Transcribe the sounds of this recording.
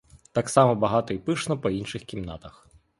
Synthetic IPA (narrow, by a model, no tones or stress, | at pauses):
t̪aksamɔbɐɦat̪ɔipɪʂnɔpɔinʃɨxkʲimna̰t̪ɐx